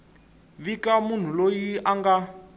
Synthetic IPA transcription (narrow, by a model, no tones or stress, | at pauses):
βikamun̤ulojiaŋɡa